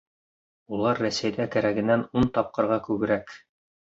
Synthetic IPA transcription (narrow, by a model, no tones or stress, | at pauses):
ulˠɑɾːæsæjd̪ækæɾæɡɘ̆nːænunt̪ɑp̚qɤ̆ɾʁɑkʉɡɘ̆ɾæk